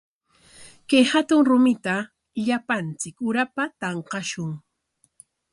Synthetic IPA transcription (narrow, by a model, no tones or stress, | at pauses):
kajhat̪ʊŋɾʊmɪt̪a | ʎapant͡sɪkʊɾapat̪ɑɴqɑʃʊŋ